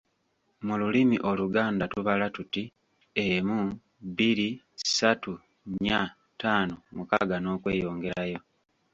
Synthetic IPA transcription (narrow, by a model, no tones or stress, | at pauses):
mululimiʔo̞luɡaːndatuβalatuti | emu | bili | satu | ɲa | taːnomuka̰ɡano̞ːkwe̞̰ːjo̞ːŋɡe̞ɾajo̞